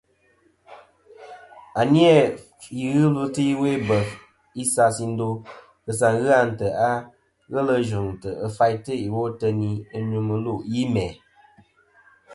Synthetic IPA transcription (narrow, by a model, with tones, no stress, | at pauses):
a˨ni˦ɛ˦˨ | ji˨ɣɨ˦lə˦tɨ˦i˦we˦bə˨ | i˦sa˧si˧n̩˦do˧ | kɨ˨s̬a˨ŋɣɨ˦a˦n̩˨tə˨a˦ | ɣə˦lə˧ʒu˨ŋtə˨ə˨fa˧jtɨ˦i˨wo˦tə˧ni˦ə˦ɲu˨mə˧lu˦˨ʔji˦mɛ˨